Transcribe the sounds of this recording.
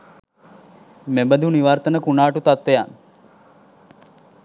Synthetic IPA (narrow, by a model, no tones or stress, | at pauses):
mebəd̪ʱuniʋaɾt̪ənəkunaːʈut̪at̪ʋejan